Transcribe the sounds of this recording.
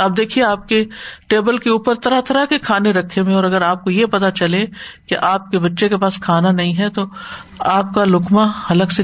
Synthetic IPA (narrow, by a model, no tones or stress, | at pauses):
ɐb̚d̪eːkʰieaːp̚keʈeːbəlkeuːpəɾt̪ɐɾat̪ɐɾakekʰaːneɾɐkʰːemẽɔːɾɐɡəɾaːp̚kojepɐt̪at͡ʃɐlekeʔaːp̚kebɐtːʃekepaːskʰaːnanɐɦĩɦɛt̪o | aːp̚kalʊkmahɐləɡse